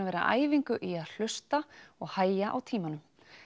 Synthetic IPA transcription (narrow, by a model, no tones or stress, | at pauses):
avɛːɾa̰ʔa̰ːjviŋkʏʔiaðl̥ʏst̪aɔɣhaːjjaʔawt̪ʰiːmanʏm